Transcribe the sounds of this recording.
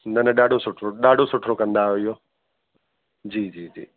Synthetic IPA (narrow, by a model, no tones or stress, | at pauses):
nɐnəɗaːɖʱosʊʈʰɾoɗaːɖʱosʊʈʰɾokɐ̃nd̪aɦʊijoː | d͡ʑiːd͡ʑiːd͡ʑḭː